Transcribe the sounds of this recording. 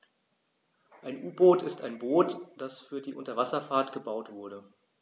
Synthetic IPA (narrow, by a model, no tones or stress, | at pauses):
ʔaɪnʔuːboːtɪstaɪnboːtd̥asfyːɐdiːʔʊntɐvasɐfaːɐtɡ̥əbaʊtv̥ʊɐɾə